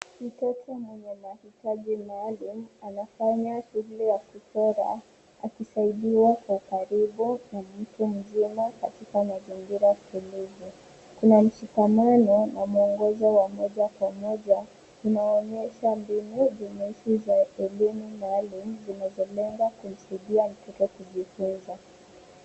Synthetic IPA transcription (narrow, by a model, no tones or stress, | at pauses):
kitɔtʰamwɛɲɛmahitaʄimaːlum̩anafaɲahilɛjakutɔɾa̰ | a̰kisaiɗiwakwaukaɾiɓunamm̩tum̩zimakatikamazimɡiɾasi̥kulizi | kunam̩ʃikamanɔnamuɔŋɡɔzɔwamɔʄakwamɔʄa | unaɔɲɛʃambinuvimɛʃizaɛlimumalim̩zinazɔlɛŋɡakum̩saiɗiam̩tɛkɛkuʄifunza